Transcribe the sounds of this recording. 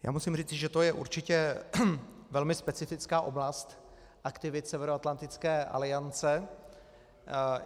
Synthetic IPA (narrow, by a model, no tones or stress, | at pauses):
ja̰ːmusimriːt͡sɪʒɛt̪ojɛʔṵɾt͡ʃɪcɛ | vɛlmɪspɛt͡sɪfɪt͡skaːʔo̞blast̪ | ʔakt̪ɪvɪt̪sɛvɛɾoat̪lant̪ɪt͡skɛːʔa̰lɪant͡sɛ